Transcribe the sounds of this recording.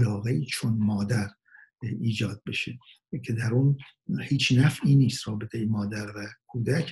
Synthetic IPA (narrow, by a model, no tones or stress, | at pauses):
lɒːɣeiːt͡ʃʰonmɒːd̪æɾ | iːd͡ʒɒːd̪̚be̞ʃe | kʲʰe̞d̪æɾuːn | hiːt͡ʃnæfiːniːst̪rɒːbet̪ʰejemɒːd̪æɾvækʰuːd̪ækʰ